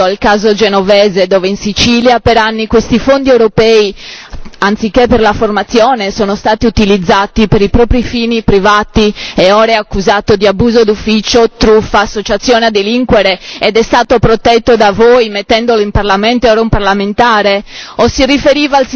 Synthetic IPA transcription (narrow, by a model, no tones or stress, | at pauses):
oalkaːzod͡ʒenovɛːzed̪ɔːveinsit͡ʃiːljapeɾanːikwest̪ifond̪iewɾopɛːi | ant̪sik̟ːepːerlaformat̪sːjoːnesoːnost̪aːt̪iut̪ilid̪zːaːt̪ipeɾipɾɔːpɾifiːnipɾivaːt̪ieɔːɾeakːuzaːt̪od̪iabuːzod̪ufːit͡ʃot̪ɾufaːsːot͡ʃat̪sːjɔːnead̪ːeliŋkweɾeed̪ɛst̪aːt̪opɾot̪ɛt̪ːod̪avoːjmet̪ːɛnd̪oloimparlament̪oeɔːɾaumparlament̪aːɾeosirifeɾiːvaːls